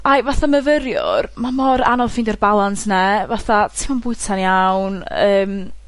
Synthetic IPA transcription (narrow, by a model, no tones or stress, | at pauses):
ajvaθaməvəɾjʊ̰rmamɔɾa̰nɔlˠfɪndɛrbalˠansnɛvaθatʰɪmanbʊɨtʰanjawnəːm